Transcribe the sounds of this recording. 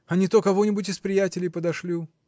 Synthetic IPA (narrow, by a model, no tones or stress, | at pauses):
ɐnʲit̪okɐvonʲɪbʊtʲɪspɾʲɪjætʲɪlʲɪjpəd̪ɐʂlʲi